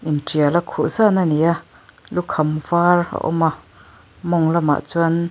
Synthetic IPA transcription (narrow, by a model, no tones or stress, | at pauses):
ʔintialakʰuʔsanania | lukʰɐmvara̰ʔɔ̰ma | mɔŋlɐma̰ʔt͡sun